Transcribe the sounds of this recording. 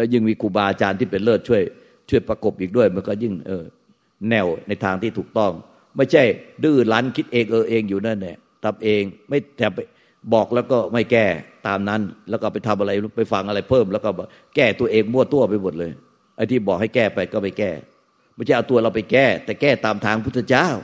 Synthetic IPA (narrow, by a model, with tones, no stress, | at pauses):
lɛː˦˥˩jɯ˥˩ŋmiː˧kʰuː˧˩baː˧ʔa˧t͡ɕaː˧nt̪ʰiː˥˩pe˧nlɤː˥˩t̪̚t͡ɕʰu˥˩əj | t͡ɕʰu˥˩əjpɾa˧ko˨˩p̚ʔiː˨˩k̚du˥˩əjmɯ˧ə˦nkɔː˥˩jɯ˥˩ŋʔɤː˧˩ | nɛ˧˩wna˧jt̪ʰaː˧ŋt̪iː˥˩uː˨˩k̚t̪ɔ˥˩ŋ | ma˥˩jt͡ɕʰa˥˩jdɯː˥˩laː˦˥nkʰi˦˥t̪̚ʔeː˧ŋʔɤː˧ʔeː˧ŋjuː˨˩na˦˥˩nːi˨˥˩ə | t̪ʰa˧mʔeː˧ŋma˥˩jt̪ʰɛː˨˩pa˧j | bɔː˨˩k̚lɛː˦˥wkɔː˥˩ma˥˩jkɛː˥˩t̪aː˧mna˦˥nlɛː˦˥wkɔː˥˩pa˧jt̪ʰa˧mʔa˧ɾa˧jpa˧˩jfa˧ŋʔa˧ɾa˧jpʰɤː˥˩mlɛː˦˥wkɔː˥˩baː˨˩ | kɛː˥˩t̪u˧ɐʔeː˧ŋmu˥˩ɐt̪u˧˩ɐpa˧jmo˨˩t̪̚lɤː˧j | ʔa˧˥jt̪ʰiː˥˩bɔː˨˩k̚ha˥˩jkɛː˥˩pa˧jkɔː˥˩ma˥˩jkɛː˥˩ | ma˥˩jt͡ɕʰa˥˩ʔa˧t̪u˧ɐ˧ɾa˧˩wpa˧jkɛː˥˩t̪ɛː˨˩kɛː˥˩t̪aː˧mt̪ʰaː˧˥ŋpʰu˥˩t̪ʰːa˧t͡ɕaː˥˩w